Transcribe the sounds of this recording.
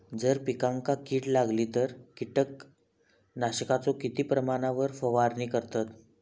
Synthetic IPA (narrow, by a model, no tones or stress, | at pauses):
d͡zəɾpikãŋkakiːʈlaɡliːt̪əɾkiʈək | naɕəkat͡sokit̪iːpɾəmaɽ̃aʋəɾfəʋaɾniːkəɾt̪at̪